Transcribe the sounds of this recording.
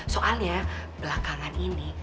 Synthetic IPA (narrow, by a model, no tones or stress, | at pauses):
soʔalɲabəlakaŋanini